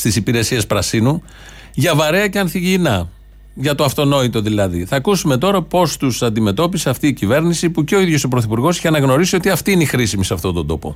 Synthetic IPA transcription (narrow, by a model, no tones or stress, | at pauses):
st̪isipiɾe̞sie̞spɾɐsinu | ʝɐvɐɾe̞ɐceɐnθiʝinɐ | ʝɐt̪o̞ɐft̪o̞no̞it̪o̞ðilɐðiθɐkusume̞t̪o̞ɾɐpo̞st̪usɐnd̪ime̞t̪o̞piseɐft̪iːcive̞ɾnisipuce̞o̞iðjo̞sopɾo̞θipuɾɣo̞siçeɐnɐɣno̞ɾisio̞t̪iɐft̪iineixɾisimiseɐft̪o̞nd̪o̞nd̪o̞po̞̰